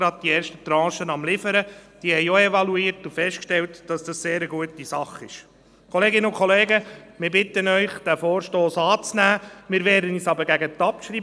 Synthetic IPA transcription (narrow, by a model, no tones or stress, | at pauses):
ɾɑd̥̪̚d̥iɛːɾʃtət̪ɾɑ̃ːʃənɑmlɪfəɾəd̥iəhɛɪoɛvɑluiːɾtufɛstkʃtɛltd̥ɑsd̥ɑsseːɾəɡuətisɑχɪʃ | kʰɔleːɡɪnəʊkʰχɔleːɡəmɪːɾbɪt̪ənœʏχd̥æfoːɾʃtoːsɑːt͡snæːmɪːɾʋɛːdəniːsɑbəɾɡæɡət̪ːɑpʃɾiː